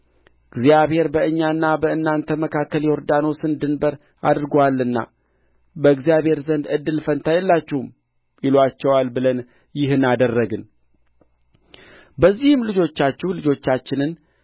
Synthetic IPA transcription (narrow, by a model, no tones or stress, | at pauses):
ɨɡzjaβhe̞ɾbəɨɲːaɨnːabəɨnːant̪ʰəməkʰakːəljɛɔɾd̪ano̞sɨnd̪ɨnbəɾ | a̰d̪ɾɨɡowalːɨnːa̰ | bəɨɡzijaβhe̞ɾzənd̪ɨd̪ːɨlfənt̪ʰajɛlːat͡ʃːɛhum | ɪlwat͡ʃːɛwalbɨlən | jɪɦɨnad̪ərːəɡɨn | bəzːihɨmlɨd͡ʒo̞t͡ʃːat͡ʃːɛhlɨd͡ʒo̞t͡ʃːat͡ʃːɪnɨn